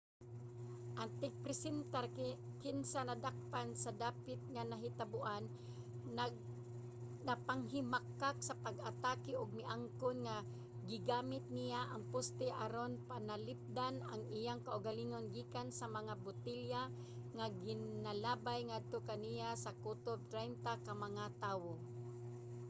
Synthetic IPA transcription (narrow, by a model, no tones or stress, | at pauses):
ʔant̪ɪɡ̚pɾɪsɛnt̪aɾkɪnsanad̪ak̚pansad̪aːpɪt̪̚ŋanaɦɪt̪abʊʔan | napaŋɦɪmakːak̚sapaɡʔat̪aːkɪʔʊɡ̚mɪʔaŋkonŋa | ɡɪɡaːmɪt̪̚nijaʔaŋpʊst̪ɛʔaɾonpanalɪp̚d̪anaŋɪjaŋkaʔʊɡaliːŋonɡiːkansamaŋabʊt̪ɪlja | ŋaɡɪnnalaːbajŋad̪̚t̪okanijasakut̪ob̚t̪ɾajnt̪akamɐŋat̪aːwo